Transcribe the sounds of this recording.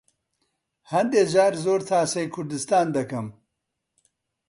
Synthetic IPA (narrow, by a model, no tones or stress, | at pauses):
hɐnd̪eːd͡ʒaːɾzoːɾt̪ʰaːsɐjkʰʊɾd̪ɨst̪aːnd̪ɐkɐm